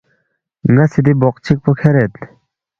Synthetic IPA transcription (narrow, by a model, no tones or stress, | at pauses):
ŋasid̪ibɔq̚t͡ɕʰik̚pɔkʰɛɾet̪